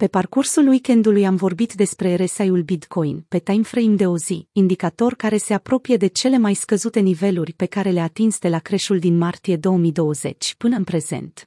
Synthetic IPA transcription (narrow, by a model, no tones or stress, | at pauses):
pe̞parkursulwike̞nd̪ulujamvo̞rbit̪d̪e̞spɾe̞ɾe̞sajulbit̪ko̞jnpe̞t̪ajmfɾejmd̪e̞o̞ziːnd̪ikat̪o̞rkaɾe̞se̞apɾo̞pije̞d̪e̞t͡ʃe̞le̞majskəzut̪e̞nive̞lurʲpe̞kaɾe̞leat̪insd̪e̞lakɾe̞ʃuld̪inmart̪ije̞d̪o̞wəmid̪o̞wəze̞̰t͡ʃʲpɨnəɨnpɾe̞zḛnt̪